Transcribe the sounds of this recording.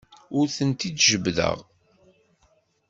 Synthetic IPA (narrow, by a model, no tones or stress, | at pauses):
ʊɾθənt̪id̪ʒəbðə̰ʁ